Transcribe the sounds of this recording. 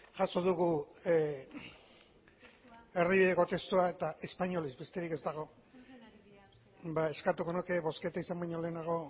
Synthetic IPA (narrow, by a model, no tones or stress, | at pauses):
ʝaso̞ðuɣu | e̞riβiðeko̞t̪e̞st̪uae̞t̪ae̞spaɲo̞lizbe̞st̪e̞ɾike̞zt̪aɣ̞o̞ | bae̞skat̪uko̞noke̞βo̞ske̞t̪aisambaɲo̞le̞ːnaɣ̞o̞